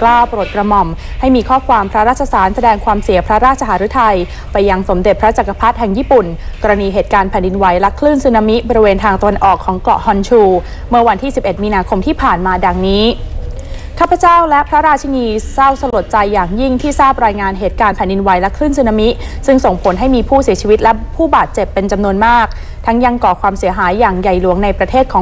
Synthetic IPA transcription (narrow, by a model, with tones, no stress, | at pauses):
klaː˥˩wpɾoː˨˩t̪̚kɾa˧mɔ˨˩m | ha˥˩jmiː˧kʰɔː˥˩kʰwaː˧mpʰɾa˦˥ɾaː˥˩t̪̚t͡ɕʰːa˧saː˩˦nsa˧dɛː˧ŋkʰwaː˧msi˨˩˦ɐ˦pʰɾa˦˥ɾaː˥˩t̪̚t͡ɕʰa˧haː˩˦ɾu˦˥t̪ʰa˧j | pa˧jːa˧ŋso˩˦mde˨˩t̪̚pʰɾa˦˥t͡ɕa˨˩kːa˧pʰa˦˥t̪̚ɦɛ˧ŋjiː˥˩pu˨˩nkɔː˧ɾa˧niː˧ɦeː˨˩t̪̚kaː˧npʰɛ˨˩ndi˧nwa˨˦jlɛ˦˥kʰlɯː˥˩nsɯ˧na˧mi˦˥bɔː˧ɾi˧weː˧nt̪ʰaː˧ŋt̪a˧wa˧nʔɔː˨˩kʰːɔː˩˦ŋklɔ̰˨˩ʔhɔ˧nt͡ɕʰuː˧ | mɯ˥˩ɐwa˧nt̪ʰiː˥˩si˨˩p̚ʔe˨˩t̪̚miː˧naː˧kʰo˧mt̪ʰiː˥˩pʰaː˨˩nmaː˧da˨˩ŋniː˦˥ | kʰaː˥˩pʰːa˧˦t͡ɕaː˥˩wlɛ˦˥ʔpʰɾa˦˥ɾaː˧t̪̚t͡ɕʰa˧niː˧sa˥˩wsa˧lo˨˩t̪̚t͡ɕa˧jːaː˨˩ŋji˥˩ŋt̪ʰiː˥˩saː˥˩p̚ɾaː˧jŋaː˧nɦeː˨˩t̪̚kaː˧npʰɛ˨˩ndi˧nwa˨˩˦jlɛ˦˥kʰlɯː˥˩nsɯː˧na˧mi˦˥ʔ | sɯ˥˩ŋso˨˩ŋpʰo˩˦nɦa˥˩jmiː˧pʰuː˥˩si˩˦t͡ɕʰiː˧wi˦˥t̪̚lɛ˦˥pʰuː˥˩baː˨˩t̪̚t͡ɕe˨˩pːe˧nt͡ɕa˧mnu˧ənmaː˥˩k̚ | t̪ʰa˦˥ŋja˧ŋkɔː˨˩kʰwaː˧msi˩˦əɦaː˩˦jːaː˨˩ŋja˨˩jlu˨˩˦əŋna˧jpɾa˧t̪ʰeː˥˩kʰɔː˩˦